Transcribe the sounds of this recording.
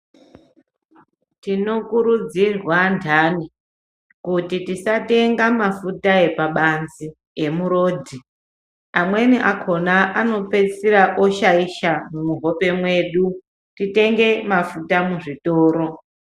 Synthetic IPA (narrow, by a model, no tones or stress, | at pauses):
tino̞kuɾud͡zirwandʰani | kutitisate̞ŋɡamafutae̞paɓanzi | e̞muɾo̞ːdʱi | amwe̞niʔakʰo̞naʔano̞pe̞siɾaʔoʃaiʃamumuɦo̞pe̞mwe̞ːɗu | tite̞ŋɡe̞mafutamuʐitoːɾo̞